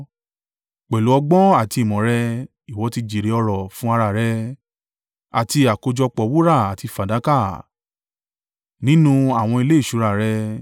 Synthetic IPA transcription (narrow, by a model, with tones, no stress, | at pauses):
k͡pɛ˨lu˨˦ɔ˧ɡ͡bɔ̃˦a˦˨ti˧i˨mɔ̃˨ɾɛ˧ | i˨wɔ˨˦ti˧d͡ʒi˨ɾe˨˧˦ɔ˧ɾɔ˨fũ˦a˧ɾa˨ɾɛ˧ | a̰˨ti˧a˨ko˧d͡ʒɔ˧k͡pɔ˨˦wu˦ɾa˦˨a˨ti˧fa˨da˨˦ka˦˨ | nĩ˨˦nũ˦a˦˨w̃ɔ̃˧i˧le˦i˦˨ʃu˨˦ɾa˦˨ɾɛ˧